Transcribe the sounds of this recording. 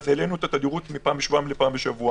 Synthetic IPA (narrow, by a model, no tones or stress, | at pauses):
zelenuet̪at̪ad̪iʁut̪mipaːmbeʃvuamlepaːmbeʃavua